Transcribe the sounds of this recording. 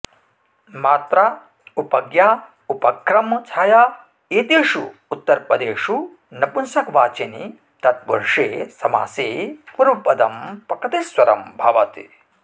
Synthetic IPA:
maːt̪ɾa | upɐɡjaː | upɐkɾɐmːɐt͡ʃʰaːjaː | eːt̪eːʂuːt̪ːɐɾpɾɐd̪eːʂu | nɐpunsɐkʋaːt͡ʃenḭ | t̪ɐt̪̚pɐ̰ɾʂeːsɐma̰ːseːpɐɾupːɐd̪ɐmpɐkɐt̪esʋɐɾɐmbʱɐʋɐt̪ḭ

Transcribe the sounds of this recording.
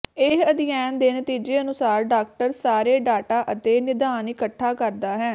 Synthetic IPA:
ɪɦəd̪ɪjɛːnd̪eːnət̪iːd͡ʒeːənʊsaːɾɖaːk̚ʈəɾsaːɾeːɖaːʈaːʔət̪eːnɪd̪aːnikəʈʰːaːkəɾd̪aːɦɛː

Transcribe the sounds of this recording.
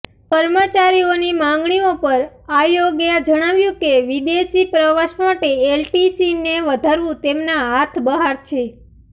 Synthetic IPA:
kəɾmət͡ʃaɾionimãŋɡɳiopəɾ | ajoɡjad͡ʒəɽ̃aʋjũkeʋid̪eʃipɾəʋaʃmaʈeːlʈisineʋəd̪ʱaɾʋũt̪emnaɦat̪ʰbəɦaɾt͡ʃʰe

